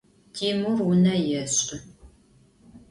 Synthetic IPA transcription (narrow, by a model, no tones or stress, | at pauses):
tʰiːmurwʊnɐjɛɕʼɪ